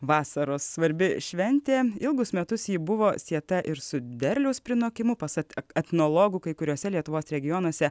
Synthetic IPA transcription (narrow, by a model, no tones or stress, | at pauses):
ʋɑːsɐɾoːsːʋɐɾʲbʲɪʃʲʋʲɛnʲt̪ʲeːɪlˠɡʊsmʲɛt̪ʊsjiːbʊʋoːsʲiɛt̪ɐʔɪɾsʊd̪ʲɛɾʲlʲɛʊspʲɾʲɪnoːkʲɪmʊpɐsɐt̪ʲɛt̪ʲnoːlˠoːɡʊkɐɪkʊɾʲoːsʲɛlʲiɛt̪ʊʋoːsʲɾʲɛɡʲɪjoːnuɔsʲɛ